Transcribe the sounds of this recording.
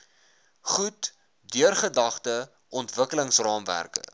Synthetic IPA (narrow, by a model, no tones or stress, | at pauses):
χut | dyərχədɐχtə | ʔɔntvəkələŋsrɑːmvæ̰rkə̰